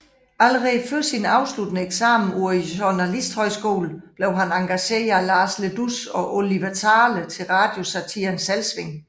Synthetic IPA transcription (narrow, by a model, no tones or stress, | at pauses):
æləʁɛføsinɑ̈ʊslud̥nəeɡ̥sɑ̈ːm̩uɐiɕonælisd̥hɒ̽ɪsɡ̥o̝̰ːlb̥leʊɦænɑ̈ŋɡ̥æɕe̝̰ːɐælɑ̈ːsled̥usɒ̽ʔoliʋæt͡sʰɑ̈ːlət͡sʰe̝lʁɑ̈ːd̥jo̝sæt͡sʰḭnsælsʋe̝ŋ